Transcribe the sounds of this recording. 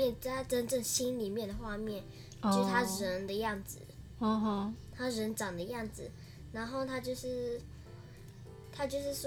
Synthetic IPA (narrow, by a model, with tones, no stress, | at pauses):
ɛ˥˩nt͡sa˥˩t̪ʰa˥ʈ͡ʂə˥nʈ͡ʂə˥˩ŋɕi˥nli˨˩mjɛ˥˩nd̪ə˩xwa˥˧mjɛ˥˩n | t͡ɕjo˥˧˥t̪ʰa˥ɻə˧˦˥nd̪ə˧jɑ˥˩ŋd͡zɹ̩˨˩˧ | t̪ʰa˥ɻə˧˥nʈ͡ʂɑ˨˩ŋd̪ə˦jɑ˥˩ŋd͡zɹ̩˨˩ | ɻa˧˥nxo˥˩ʊt̪ʰa˥t͡ɕjo˥˧ʊʂɻ̩˥˩ | t̪ʰa˥t͡ɕjo˥˧ʊʂɻ̩˥˩s